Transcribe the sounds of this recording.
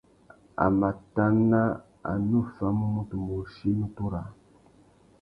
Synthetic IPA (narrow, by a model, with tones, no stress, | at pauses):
a̰˨ma˨ta˦nːa˦ | a̰˨nu˦˨fa˦mu˦mu˦tu˨mo˨ʃi˦nu˦tu˦ɾa˨